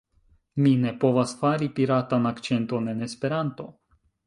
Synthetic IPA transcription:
mine̞po̞vasfaɾipiɾatanakt͡ʃe̞nto̞ne̞ne̞spe̞ɾanto̞

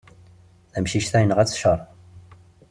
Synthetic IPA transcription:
θæmʃiʃθæjənəʁæt͡sːʃəɾˤ

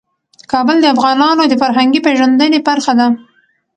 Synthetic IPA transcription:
kɑbəld̪əafɣɑnɑnod̪əfaɾɦaŋɡipeʒand̪ənebaɾxad̪a

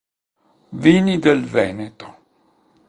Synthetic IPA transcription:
viːnid̪elvɛːnet̪o̥

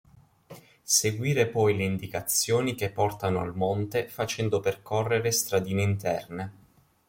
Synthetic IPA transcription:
seɡwiːɾepɔjleind̪ikat̪sːjoːnik̟epːɔrt̪anoa̰lmont̪efat͡ʃɛnd̪operkʰorːeɾest̪ɾad̪iːneint̪ɛrne

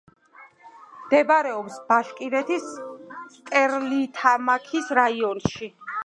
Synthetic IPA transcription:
md̪̥ɛbɾɛɔpsbaʃkʼiɾɛt̪ʰisst̪ʼɛɾlit̪ʰamakʰisɾaiɔnʃi

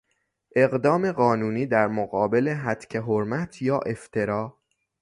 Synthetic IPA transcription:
ʔe̞ɣd̪ɒːme̞ɣɒːnuːniːd̪æɾmoɣɒːbe̞le̞ɦæt̪ʰcʰe̞ɦoɾmæt̪ʰjɒːʔe̞ft̪ʰe̞ɾɒː

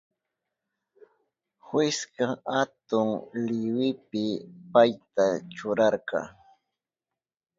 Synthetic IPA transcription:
xwɪskaat̪ʊŋlɪwɪpɪpajt̪aʈ͡ʂʊɾɑɾɢɑ̰

